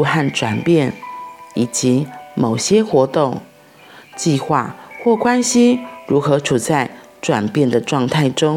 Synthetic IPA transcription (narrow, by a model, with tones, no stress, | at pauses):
xa˥˩nʈ͡ʂwa˨˩npjɛ˥˩ni˨˩t͡ɕi˧˦mo˨˩ʊɕjɛ˥xwɔ˧˥t̪ʊ˥˩ŋ | t͡ɕi˥˧xwa̰˥˧xwɔ˥˩kwa˦nɕi˥ɻu˧˥xɤ˧˥ʈ͡ʂʰu˨˩t͡sa˥˩ɪ | ʈ͡ʂwa˨˩npjɛ˥˩nd̪ə˩ʈ͡ʂwɑ˥˧ŋt̪ʰa˥˩ɪʈ͡ʂʊ˥ŋ